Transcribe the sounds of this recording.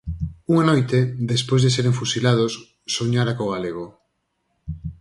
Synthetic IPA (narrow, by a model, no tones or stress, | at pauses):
uŋanojt̪eðespojzðeseɾeŋfusilað̞osː | oɲaɾakoɣ̞aleɣ̞o